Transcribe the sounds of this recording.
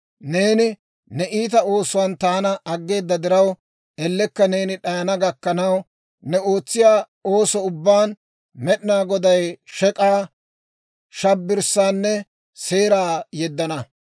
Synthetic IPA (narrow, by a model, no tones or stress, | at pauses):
ne̞ːnɪ | nɛʔiːt̪̬ɐo̞ːsʊwɐnt̪aːnɐːɡːe̞ːd̪ːɐd̪ɪɾɐw | ɛlːɛkːɐne̞ːnɪɗɐjɐnɐɡɐkːɐnɐw | nɛo̞ːt͡sːɪjaː | o̞ːsɔʊbːaːn | mɛɗnaːɡɔd̪ɐjʃɛkʼaː | ʃɐbːɪɾsaːnːɛ | se̞ːɾaːjɛd̪ːɐnɐ